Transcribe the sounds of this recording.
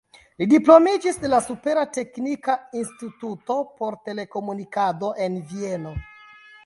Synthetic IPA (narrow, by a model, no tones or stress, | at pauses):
lidiplo̞mid͡ʒisdelasupe̞ɾate̞knikainstituto̞po̞ɾte̞le̞ko̞munikado̞ʔe̞nvie̞no̞